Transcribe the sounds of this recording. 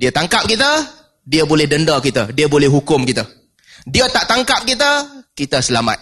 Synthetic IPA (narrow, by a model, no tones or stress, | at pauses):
diət̪aŋkap̚kit̪ə | diəbolɛhdəndakit̪ədiəbolɛhɦukʊmkit̪ə | diət̪aʔt̪aŋkap̚kit̪̬əkit̪əsəlama̰t̪̚